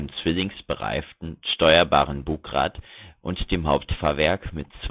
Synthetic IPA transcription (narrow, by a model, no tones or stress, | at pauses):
nəmt͡sv̥ɪlɪŋsb̥əʁa̰ɪftn̩ʃtɔʏɐba̰ːʁənbuːkʁa̰ːtʔʊntd̥eːmhaʊp̚tfaːɐvɛɐkmɪtt͡s